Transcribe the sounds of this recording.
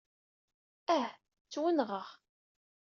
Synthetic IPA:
æh | t͡sːwənʁəʁ

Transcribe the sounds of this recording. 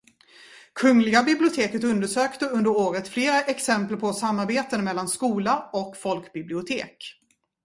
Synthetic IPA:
kʰɵŋlɪɡabɪblɪʊt̪ʰeːkət̪ɵnd̪əʂøːkt̪əɵnd̪əɾoːɾət̪fleːɾaʔɛksɛmpəlpʰɔsamːaɾbeːt̪ənmɛlːanskuːlaɔkfɔlkbɪblɪʊt̪ʰḛːk

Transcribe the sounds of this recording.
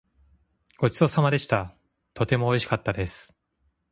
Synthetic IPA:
ɡ̥o̞t͡ɕi̥so̞samad̪e̞ɕi̥t̪a | t̪o̞t̪e̞mo̞ːiɕi̥kat̪ːad̪e̞sɨ̥

